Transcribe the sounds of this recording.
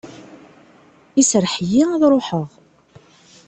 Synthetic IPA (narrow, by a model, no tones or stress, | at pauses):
isɾəħjiæðɾˤʊħəʁ